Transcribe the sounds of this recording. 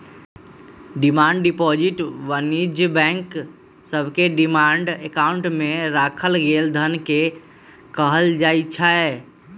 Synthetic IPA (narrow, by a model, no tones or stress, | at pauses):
ɖimaɳɖɖipɔd͡ʒiʈʋənid͡ʒbɛ̃ŋk | səbʱkeɖimaɳɖekauɳʈmeɾakʰəlɡeld̪ʱənke | kəɦəld͡ʒajt͡ʃʰae